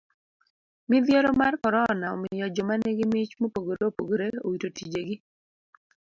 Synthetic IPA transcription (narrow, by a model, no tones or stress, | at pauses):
mɪdjeɾɔmarkɔɾɔnaɔ̰mɪjɔd͡ʒɔmaneɡɪmɪt͡ʃmopoɡoɾeopoɡoɾeo̰witotid͡ʒeɡɪ